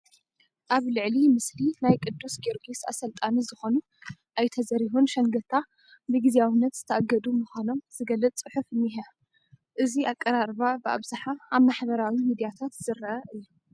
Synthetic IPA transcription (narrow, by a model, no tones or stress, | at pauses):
ʔaβlɨʕlimɨslinajkʼɨd̪ːusɡiɾɡisa̰sɐlt̪ʼanizɨxo̞nu | ʔajt̪ʰɐzɐɾiɦunʃɐŋɡɐt̪ʰa | bɨɡiziawɨnːɐt̪z̥ɨt̪ʰɐʔaɡɐd̪umɨxʷano̞mz̥ɨɡɐlːɨt͡s̪ʼt͡sʼɨħufɨnːiɦɐ | ʔɨziakʼːɐɾaɾbabɨa̰βzaħaaβmaħbɐɾawimid̪ijat̪ʰat̪z̥ɨɾːɐʔɐʔɨjːu